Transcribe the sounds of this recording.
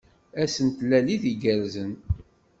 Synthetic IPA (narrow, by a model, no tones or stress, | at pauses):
æsənt̪lːæliðiɡæɾzən